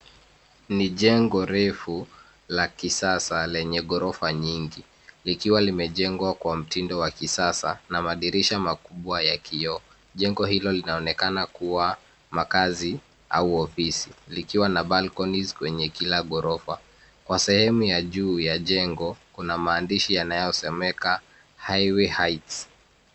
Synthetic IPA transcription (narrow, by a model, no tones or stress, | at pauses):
niʄɛŋɡɔɾɛfu | lakisasalɛɲɛɠɔɾɔfaɲiŋɡi | likiwalimɛʄɛŋɡwakwam̩tindɔwakisasa̰namaɗiɾiʃamakuɓwajakʰiɔ | ʄɛŋɡɔhilɔlinaɔnɛkanakuwa | makazi | a̰uɔfisilikiwanaɓalkɔnizkwɛɲɛkilaɠɔɾɔfa̰ | kwasɛhɛmujaʄuːjaʄɛŋɡɔkunamaːndiʃijanajɔsɛmɛka | hajwihajts